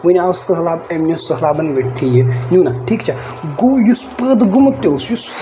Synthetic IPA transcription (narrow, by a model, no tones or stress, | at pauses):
ʋɨnʲaːwsəɦlaːbemnʲosəɦlaːbɐnɡɐt̪ʰijenʲuːnaʈʰiːkt͡ʃʰa | ɡujuspəd̪ɡumɐt̪ʲːoːsjus